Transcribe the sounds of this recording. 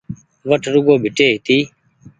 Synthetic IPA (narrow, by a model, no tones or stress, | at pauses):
ʋəʈʰɾʊɡoːbʱɪʈeːɦɪt̪iː